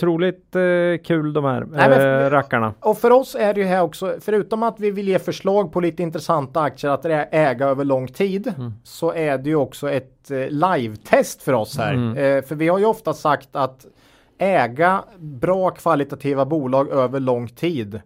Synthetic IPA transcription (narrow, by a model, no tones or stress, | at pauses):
t̪ʰɾuːlɪt̪kʰʉ̟ːld̪ɔmhæ̰ɾnɛɛɾakːaɳa̰ɔfœɾɔsæɖɛjɵɦæːɾɔksɔfœɾʉ̟ːt̪ɔmat̪vɪvɪljeːfœʂɭɑːɡ̚pʰɔliːt̪əɪnt̪ɾɛsant̪aak̚t̪səɾat̪ɛɛːɡaøːvəɭɔŋːt̪ʰiːd̪sɔʔæɖɛjɵɔksɔɛt̪lajvt̪ʰɛst̪fœɾɔshæ̰ːɾfœɾvɪhaɾjɵɔft̪asakt̪at̪ | ɛːɡabɾɑːkʰv̥alɪt̪at̪ʰiːvabuːlɑːɡøːvəɭɔŋːt̪ʰiːd̪